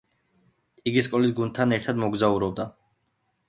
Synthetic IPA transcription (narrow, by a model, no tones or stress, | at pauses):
iɡiskʼɔlis̬ɡund̪̚t̪ʰanɛɾt̪ʰad̪mɔɡzauɾɔb̚d̪a